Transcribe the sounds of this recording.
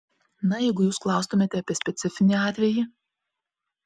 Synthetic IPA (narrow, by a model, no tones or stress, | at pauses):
nɐjɛɪɡʊjuːsklˠɑˑʊst̪ʊmʲeːt̪ʲɛɐpʲiɛsʲpʲɛt̪sʲɪfʲɪnʲiɑːt̪ʲʋʲɛji